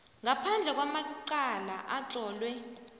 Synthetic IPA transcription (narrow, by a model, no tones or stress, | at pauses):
ŋapʰand͡ɮʱɛk̬wamaǃalaʔat͡ɬʼɔːlwɛ